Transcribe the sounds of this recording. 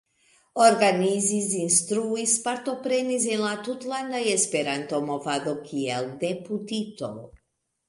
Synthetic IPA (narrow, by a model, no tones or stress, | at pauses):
oɾɡanizizinst̪ɾuispaɾt̪opɾenizilˠat̪ut̪lˠand̪ajespeɾant̪omofad̪okʰiɛld̪eput̪it̪o̰l